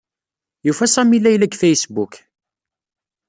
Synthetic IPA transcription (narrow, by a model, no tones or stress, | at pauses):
jufæsˤæmilːæjlæɡfæjsbuk